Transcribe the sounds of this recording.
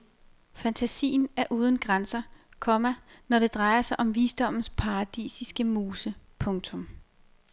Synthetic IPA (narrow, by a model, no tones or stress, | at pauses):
fænt͡sʰæsḭːn̩æɐʔuːð̞ˠn̩ɡ̥ʁansɐkʰɒ̽mænɒɾ̥e̝d̥ʁɑ̈ɪɐsɑ̈ɪʔɒ̽mʋiːsd̥ɒ̽m̰n̩spʰɑ̈ʁɑd̥ḭːsisɡ̥əmuːsəpʰɔ̽ŋt͡sʰɔ̽m